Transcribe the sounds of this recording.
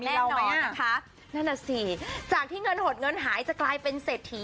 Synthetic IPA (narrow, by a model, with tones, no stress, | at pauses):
miː˧ɛː˥˧a˧nɔː˧a˧˩kʰa˦˥ʔ | na˥˩na˨˩siː˨˩t͡ɕaː˨˩k̚t̪ʰiː˥˩ŋɤ˧nho˨˩t̪̚ŋɤ˧nɦaː˩˦jt͡ɕa˨˩klaː˧jpe˧nseː˨˩t̪ʰːi˨˦